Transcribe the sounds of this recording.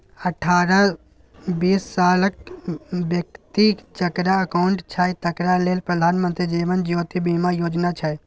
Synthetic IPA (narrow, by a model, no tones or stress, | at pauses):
əʈʰaːɾa | biːsːaːlək̚bjəkt̪ikt͡ʃəkɾaəkaʊɳʈt͡ʃʰajt̪əkɾaleːlpɾəd̪ʱaːnmə̃nt̪ɾid͡ʒeːʋənd͡ʒjoːt̪ibiːmajoːd͡ʒnat͡ʃʰə